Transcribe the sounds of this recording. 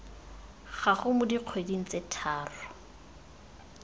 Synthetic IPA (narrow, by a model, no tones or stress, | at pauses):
χaχʊmʊdiq͡χʰwediŋ̩t͡setʰaːrɔ